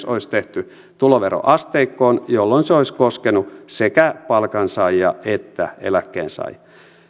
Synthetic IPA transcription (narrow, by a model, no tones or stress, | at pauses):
soist̪eht̪y | t̪uloʋeɾo̰ʔɑst̪eikːoːnjolːonseoiskoskenusekæpɑlkɑnsɑijɑ̰et̪ːæḛlækːḛːnsɑ̰i